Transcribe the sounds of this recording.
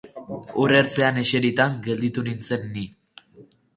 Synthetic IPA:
ure̞ɾt͡se̞ane̞ʃe̞ɾit̪aŋɡe̞ld̪it̪unint͡se̞nːi

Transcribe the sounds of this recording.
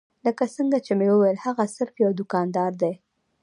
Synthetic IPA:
ləkasəŋɡat͡ʃemewəwajəlhaɣasɪɾfjawd̪ʊkɑnd̪ɑɾd̪e

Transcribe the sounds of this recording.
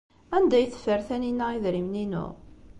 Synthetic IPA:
ænd̪æjθə̥fəɾθæninːæiðɾimninʊ̰ʁ

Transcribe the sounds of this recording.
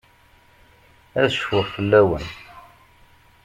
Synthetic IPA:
æðʃfəʁfəlːæwən

